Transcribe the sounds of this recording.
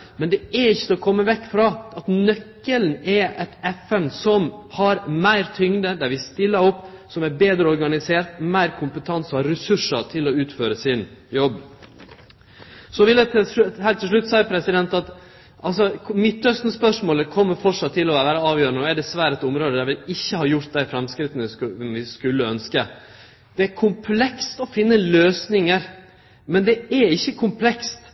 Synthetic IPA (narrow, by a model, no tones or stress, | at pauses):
mɛnd̪ɛæɾɪçːət̪ɛɔkʰɔmːəʋɛkːfɾɑɑt̪nœkːəln̩ɛɛt̪ɛfɛnsɔmhɑɾmæɪɾt̪ʰʏŋd̪əd̪æɾʋɪst̪ɪlːəɾɔpːsɔmæɾbeːd̪ɾəɔɾɡɑnɪseːɾt̪mæɪɾkʰʊmpət̪ʰɑnsɔɑɾɾɛsʉʂəɾt̪ʰɪlɔʉːt̪føːɾəsɪnjɔbː | sɔʋɪlʰhæɪlt̪ʰːɪlʂ̬ɭʉt̪ːsæɪpʰɾɛsɪd̪ɛnt̪ɑt̪ | ʔɑlsɔkʰmɪt̪ːœst̪nəspœʂmoːləkʰɔmːəɾfɔʂɑt̪ʰːɪlɔʋæːʋæːɾəɑːʋjøːɾənəɔɛɖɛsʋæːɾɛt̪ʊmɾoːd̪əd̪æʋɪlɪçːəhɑːjʊɾt̪̚d̪æɪfɾɛmskɾɪt̪ːənəʋɪskʉlːəœnskə | d̪̥ɛæɾkʰʊmpʰlɛkst̪ɔfɪnːəløːsnɪŋəɾ | mɛnd̪ɛæɪçːəkʰʊmpʰlɛkst̪